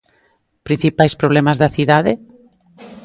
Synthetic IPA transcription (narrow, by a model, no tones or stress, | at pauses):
pɾin̟θipajspɾoβ̞lɛmazðɐθiðaðe